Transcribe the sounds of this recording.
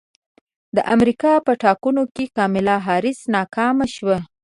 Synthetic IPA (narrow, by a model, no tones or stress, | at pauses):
d̪əʔamɾikɑpəʈɑkunokekɑmɪlɑɦɑɾɪsnɑkɑmaʃwa